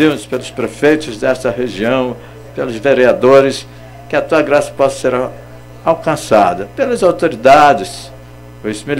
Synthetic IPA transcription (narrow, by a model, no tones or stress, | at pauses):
inʊspelʊspɾefejt̪ʊzd̪ɛst̪ɐɦeʒiɐ̃w̃ | pelʊzveɾiad̪oɾɪs | kɪɐt̪uɐɡɾasɐ̥pɔsɐ̥seɾ | awkɐ̃sa̰d̪ɐpelɐzawt̪oɾid̪ad͡ʒɪs | osmil